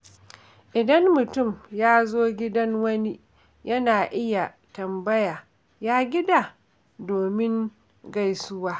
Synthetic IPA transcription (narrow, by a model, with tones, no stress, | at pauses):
ʔɪ˨dɐ˦ŋmʊ˨tʊ˦˨mjaː˦zoː˦ɡʲɪ˦dɐ˦ŋwɐ˦ni˦ | jɐ˦naː˨ʔɪ˦ja˨ | tɐ˨mbɐ˦ja˨ | jaː˦ɡʲɪ˦da˨ | doː˨mɪ˦ŋ | ɡa˦˨jsʊ˦waː˦